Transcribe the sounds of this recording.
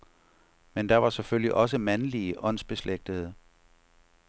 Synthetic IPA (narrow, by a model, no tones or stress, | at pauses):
mend̥ɑ̈ʋɑ̈sefølliʔɒ̽s̬əmænliəʔɒ̽n̰sb̥e̝sleɡ̥̚d̥əð̩̰ˠ